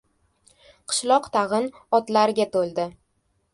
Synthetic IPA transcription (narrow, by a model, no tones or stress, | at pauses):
qʰɨ̥ʃlˠɒqt̪ʰɑʁɨn | ɒt̪laɾɡʲat̪ʰolˠd̪ɪ